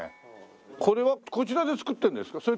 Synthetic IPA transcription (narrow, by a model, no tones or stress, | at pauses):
kʰo̞ɾe̞βako̞t͡ɕiɾad̪e̞t͡sɨ̥kɯ̟t̪ːend̪esɨ̥kaso̞ɾe